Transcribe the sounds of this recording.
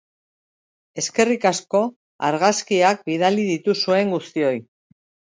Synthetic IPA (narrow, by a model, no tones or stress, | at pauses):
e̞ske̞rikasko̞ | aɾɣaskiak̚biðaliðit̪usue̞ŋɡust̪io̞j